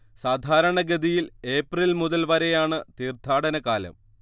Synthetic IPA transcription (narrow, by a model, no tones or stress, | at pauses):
saːd̪ʱaːɾɐɳɐɡɐd̪ijile̞ːprilmuðɐlʋɐɾe̞jaːɳɨt̪iːrt̪ʰaːɽɐnɐkaːlɐ̰m